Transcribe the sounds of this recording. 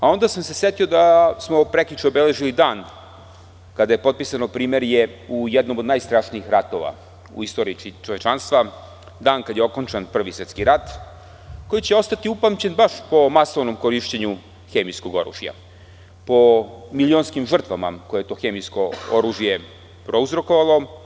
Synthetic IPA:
ao̞nd̪asamse̞sje̞t̪io̞d̪asmo̞pɾeklʲut͡ʃiobeleʒilid̪aːn | kad̪aje̞po̞t̪̚pisanopɾiːme̞ɾjeujɛd̪nomod̪najst̪ɾaːʃniixɾat̪o̞ʋa̰ | ṵist̪o̞ːɾiiit͡ʃoʋe̞t͡ʃanst̪ʋa | d̪aːnkad̪jeo̞ko̞nt͡ʃanpr̩ʋiset̪skiɾat̪ | ko̞jit͡ɕeo̞st̪at̪iupamt͡ɕe̞nbaʃpo̞maso̞ʋno̞mko̞ɾiʃt͡ɕeɲu | xemijsko̞ɡo̞ɾṵːʒija̰ | po̞milʲio̞nskimʒr̩t̪ʋama̰ko̞jejet̪o̞xe̞mijsko̞oɾuːʒije̞ | pɾo̞uzɾo̞ko̞ʋalˠo̞

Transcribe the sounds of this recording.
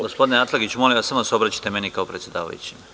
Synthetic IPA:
ɡospo̞d̪ineat̪lˠaɡit͡ɕumo̞liasamosobɾat͡ɕi̥t̪emenikaopɾet̪sjd̪a̰ːʋa̰jṵt͡ɕim

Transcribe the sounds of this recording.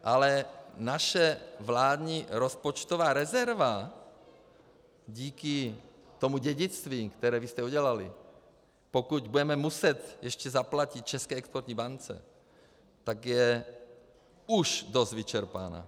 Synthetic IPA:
ʔalɛnaʃɛvlaːd̪ɲiɾospot͡ʃt̪ovaːɾɛzɛɾva | ɟiːki | t̪omuɟɛɟit͡st̪viːkt̪ɛɾɛːvist̪ɛuɟɛlalḭ | pokuɟbudɛmɛmusɛt̪jɛʃcɛzaplacit̪̚t͡ʃɛskɛːɛkspoɾt̪ɲiːbant͡sɛ̰ | t̪aɡjɛ | uʒd̪ozd̪vit͡ʃɛɾpa̰na̰ː

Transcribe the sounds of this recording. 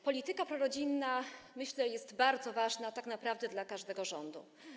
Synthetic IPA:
pɔlʲit̪ɘkapɾɔɾɔd͡ʑinːamɘɕlɛjɛst̪baɾd̪zɔvaʐnat̪aknapɾavd̪ɛd̪lakaʐd̪ɛɡɔʐɔnd̪ṵ

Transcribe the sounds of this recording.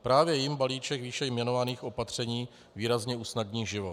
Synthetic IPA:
pɾaːvjɛjɪmbaliːt͡ʃɛkviːʃɛjmjɛno̞vaniːxʔo̞pat̪r̝̥ɛɲiː | viːɾazɲɛuːsnadɲiːʒɪvot

